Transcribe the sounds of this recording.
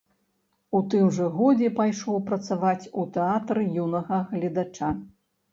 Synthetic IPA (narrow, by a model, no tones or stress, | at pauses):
ut̪ɨmʐɐɣɔd͡zʲɛpajʂɔwpɾɐt̪savat͡sʲut̪ɛat̪ɾɨjunɐɣɐɣlʲɐd̪at͡ʂa